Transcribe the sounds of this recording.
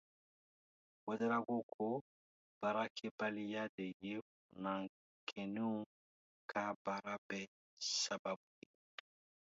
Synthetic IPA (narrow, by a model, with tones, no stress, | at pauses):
wɛ˦dɛ˦ɾa˦ko˦kʰo˦ | b̥a˨ɾa˦kʰe˦pa˦li˦ja˦de˨je˦˨ | na˨ŋ | kʰe˨nu˦ | kʰa˦ba˨ɾa˦bɛ˦ | sa˨ba˦bu˨lḭ˨